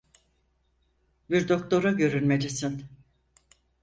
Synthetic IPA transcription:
biɾd̪o̞kt̪ʰo̞ɾaɟø̞ɾynme̞d͡ʒisin

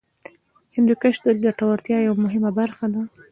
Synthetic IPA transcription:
hɪnd̪ukaʃd̪od̪aʈawaɾt̪jɑjawamʊɦɪmabaɾxad̪a

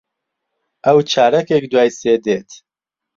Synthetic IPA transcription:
ʔɛwt͡ʃʰaːɾɛkek̚d̪waːjseːd̪eːt̪

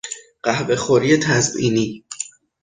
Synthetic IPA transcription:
ɢ̥æhbexoɾiːet̪ʰæzbḭːniː

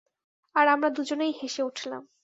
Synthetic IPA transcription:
aɾamɾad̪ud͡ʑonejɦeʃeuʈʰla̰m

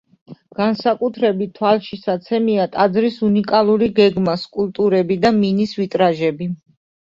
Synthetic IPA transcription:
ɡ̥ansakʼut̪ʰɾɛbit̪̚t̪ːʰwalˠʃisat̪sʰɛmiat̪ʼad̪zɾisunikʼalˠuɾiɡɛɡmaskʼulˠt̪ʼuɾɛbid̪aminisvit̪ʼɾaʒɛbi

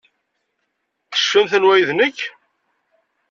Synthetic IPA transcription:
θə̥ʃːəmθənwæjðnəç

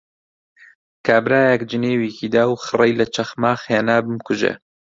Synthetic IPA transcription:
kʰaːbɾaːjɛkd͡ʒɨneːwiːkʰiːd̪aːwxɨrejlɐt͡ʃʰɐxmaːxeːnaːbɨmkʊʒḛ

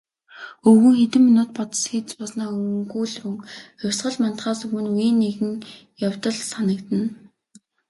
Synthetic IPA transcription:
ɵɣŭːxet̪ɘ̆mːinʊːt̪̚pɔt̪ə̥̆sxiːt͡spɔsnaːɵŋɡuːɮrɵŋxʊwʲsɢə̆ɮmant̪χaːsɵɣɘ̆nujiːnːeɣɘ̆ŋ | jawt̪ə̆ɮsanə̆kt̪ə̆n

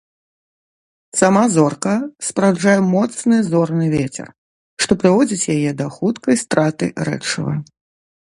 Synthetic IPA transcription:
samazɔrkɐspɾawd͡ʐajɛmɔt̪snɨzɔrnɨvʲet͡sʲɛ̰r | ʂt̪ɔpɾɨvɔd͡zʲit͡sʲjajɛd̪ɐxut̪kɐjst̪ɾat̪ɨ̰ɾɛ̰t͡ʂɐ̰vɐ̰

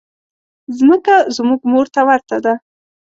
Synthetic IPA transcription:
zməkazmuɡmoɾt̪awaɾt̪ad̪a

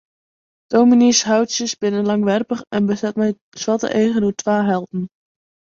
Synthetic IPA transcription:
d̥owminisɦawtsjəsbɪnənlɑŋʋɛrpəχɛnbəsɛtmɛj | swɑtə̰ʔejχənutʋaːɦɛlˠtn̩

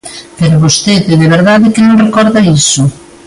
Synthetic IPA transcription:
peɾʊβost̪eðɪðeβeɾðaðɪkɪnõŋrekɔɾðɐisʊ

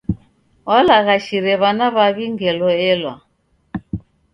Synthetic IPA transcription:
walaɣaʃiɾɛβanaβaβiŋɡɛlɔɛlwa̰

